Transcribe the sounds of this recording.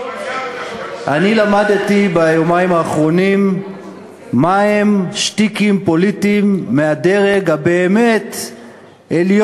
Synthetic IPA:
ʔanilamadt̪ibajomaimaːχʁo̞nim | aemʃt̪ikimpo̞litimːeade̞ʁe̞ɡabeːme̞t̪ | eljo

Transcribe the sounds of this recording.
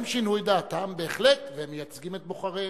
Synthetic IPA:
mʃinujd̪aːt̪ambeːχletveemejat͡sɡimet̪̚boχaʁe

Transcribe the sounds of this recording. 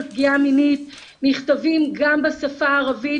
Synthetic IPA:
p̚ɡiaminit | niχtavimɡambesafaːʁavi

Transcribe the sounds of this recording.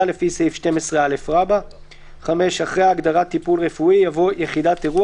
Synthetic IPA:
ale̞fisefʃte̞mesʁeale̞fʁaba | χame̞ʃaχʁejaːɡd̪aʁat̪ːipulʁefuijavojeχidateʁu

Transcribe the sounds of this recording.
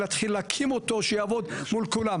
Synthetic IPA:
lat̪χilːakʰimot̪o̞ʃejavo̞d̪mulkulam

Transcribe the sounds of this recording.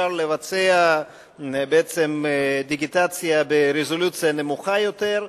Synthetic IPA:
aʁle̞vat͡sea | beet͡semd̪iɡit̪at͡sijabeɾezo̞lut͡sijane̞muχajo̞t̪eʁ

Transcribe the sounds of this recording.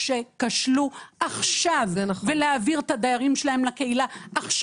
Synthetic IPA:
ʃekaʃluʔaχʃavnveleaviʁt̪ad̪ajaʁimʃelaemlake̞ilaʔːχʃ

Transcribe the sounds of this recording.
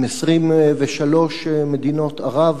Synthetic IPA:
mesʁimveʃalo̞ʃmed̪ino̞t̪aʁav

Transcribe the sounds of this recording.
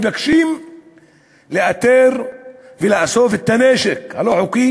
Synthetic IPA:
vakʃim | leʔat̪eɾ | veleʔasofet̪ːaneʃekhaloħoki

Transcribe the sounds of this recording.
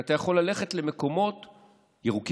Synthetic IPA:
at̪ajaχo̞lːale̞χe̞tle̞me̞ko̞mo̞t | jeʁuk

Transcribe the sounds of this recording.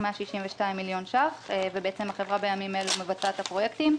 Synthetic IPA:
meaʃiʃimveʃtaimːiljo̞nʃaχevebeet͡semhaχe̞vʁabejamimelumevat͡sat̪hapʁo̞jekt̪im

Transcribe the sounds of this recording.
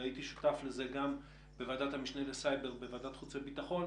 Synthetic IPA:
ait̪iʃu̥tafleze̞ɡam | bevadat̪hamiʃnelesajbe̞ʁbevadat̪χut͡sebitaχo̞n

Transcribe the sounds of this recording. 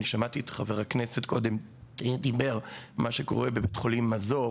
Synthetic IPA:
niʃamatietχaveʁaknesetkʰo̞dem | d̪ibe̞ʁmaʃeko̞̰ʁebebetχo̞limːazo

